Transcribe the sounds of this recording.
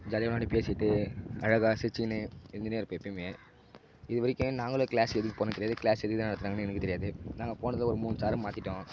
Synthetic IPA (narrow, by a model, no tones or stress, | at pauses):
d͡ʒaːðɐɐnaːɽipeːsɪʈːɯɐɻɐɣaːsɪt͡ʃːɪnɯɛnd̪ɐneːɾɯpeːpːimeː | ɪðɯʋɐɾɪkʲːʊ̃naːŋɡɐɭokɪɭaːsɛðɯkːɯpoːnɐkːt̪ɛɪjaːðɯkɭlaːsɛðɯkːɯt̪ãnɐɽɐt̪ːɯɾaːŋɡɐnːɯɛnɯkːɯt̪ɛɾɪjaːðɯnaːŋɡɐpoːɳɐðɪlɐɔɾɯmuːnsaːɾɯmaːt̪ɪʈːõː